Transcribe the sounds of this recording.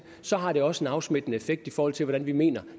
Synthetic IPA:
sɒ̽ɦɑ̈ɾ̥e̝ɒ̽səenɑ̈ʊsmid̥n̩əefeɡ̥̚d̥ifɒːhɒ̽l̰t͡sʰe̝ʋɒɾænʋime̝̰ːnɐ

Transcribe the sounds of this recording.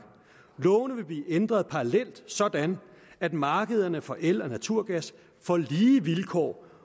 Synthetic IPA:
lɔːʊnəʋe̝b̥liːʔend̥ʁɐð̞̩ˠpʰɑ̈ʁɑlel̰d̥sɒ̽d̥æn | æd̥mɑ̈ːɡ̥əð̞̩ˠɐnəfɒ̽ʔel̰ɒ̽næt͡sʰuɐ̰ɡ̥æs | fɒliːʋilkʰɒ̰ː

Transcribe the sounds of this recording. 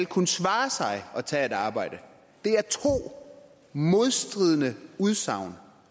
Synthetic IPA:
lkʰunəsʋɑ̈ːsɑ̈ɪɒ̽t͡sʰɛ̰ːe̝d̥ɑ̈ːb̥ɑ̈ɪ̰d̥ə | d̥e̝æɐt͡sʰo̝̰ː | mo̝ð̞ˠsd̥ʁið̞̰ˠənəuð̞ˠsɑ̈ʊ̰n

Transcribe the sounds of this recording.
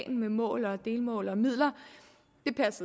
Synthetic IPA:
ɪn̩memɔ̰̽ːlɒ̽d̥e̝ːlmɔ̰̽ːlɒ̽mið̰ˠlɐ | d̥e̝pʰæsəð̩ˠ

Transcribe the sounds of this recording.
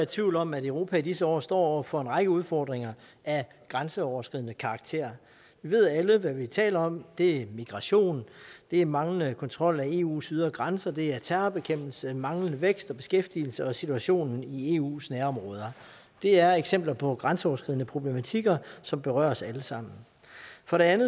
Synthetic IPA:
ɐt͡sʰʋ̥iʊ̰lɒ̽mæɾ̥eʊʁo̝ːpʰæid̥isəɒ̰ːsd̥ɒ̰ːfɒ̽e̝nʁɑ̈ɡ̥əuð̞ˠfɒ̰ːd̥ʁeŋɐ | ʔæ | ɡ̥ʁɑnsəɒʊɐsɡ̥ið̞ˠnəkʰɑ̈ɑɡ̥̚t͡sʰe̝̰ɐ | ʋiʋe̝ð̞̰ˠæləʋæʋit͡sʰɛ̰ːlɐɒ̽md̥e̝æmiɡ̥ʁɑ̈ɕo̝̰ːnd̥e̝æɐmɑ̈ŋlənəkʰɒ̽nt͡sʰʁɒ̽l̰æe̝ṵːsyð̞ˠɐɡ̥ʁɑnsɐd̥e̝æɐt͡sʰæɐb̥e̝kʰem̰b̥l̩səmɑ̈ŋlənəʋeɡ̥sd̥ɒ̽b̥e̝sɡ̥efd̥il̩səɒ̽sit͡sʰuæɕo̝̰ːnn̩ie̝ːṵːsnæɐɒ̽mʁɔ̽ːð̞ˠɐ | d̥e̝æɐeɡ̥sem̰b̥lɐpʰɒ̽ɡ̥ʁansəɒʊɐsɡ̥iðˠənəpʰʁo̝b̥lemæt͡sʰiɡ̥ɐsɒ̽mb̥e̝ʁɶ̰ɐsæləsɑ̈m̰n̩ | fɒ̽ɾe̝ænð̩ˠ

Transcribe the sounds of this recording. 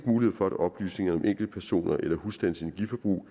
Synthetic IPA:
ɡ̥muːihe̝ð̩̰ˠfɒ̽æ̥ʔɒ̽b̥ly̰ːsne̝ŋɐnɒ̽mʔeŋ̰ɡ̥l̩d̥ə̥pʰæɐso̝̰ːnʔɐʔelɐhusd̥ænse̝næɐɡ̥ifɒ̽b̥ʁṵː

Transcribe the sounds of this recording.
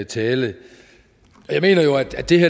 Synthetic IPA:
t͡sʰɛːlə | ɒjɑ̈ɪme̝̰ːnɐjo̝æd̥æ̥d̥e̝ɦeɐ

